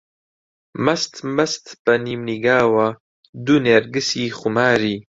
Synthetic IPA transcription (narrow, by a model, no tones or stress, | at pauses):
mɐst̪mɐst̪bɐniːmniɡaːwa | d̪uneɾɡɨsiːχumaːɾiː